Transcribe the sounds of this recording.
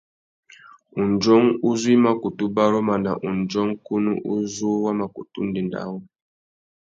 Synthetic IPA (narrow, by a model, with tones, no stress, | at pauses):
u˨nd͡ʒɔ˦ŋu˦zu˦i˦ma˨ku˨tu˦ba˦ɾɔ˦ma˨na˨ʔu˨nd͡ʒɔ˦ŋ̩˦ku˦nu˦ʔu˦zu˦wa˦ma˨ku˨tṵ˦n̩˦di˨nda̰˦wɔ˦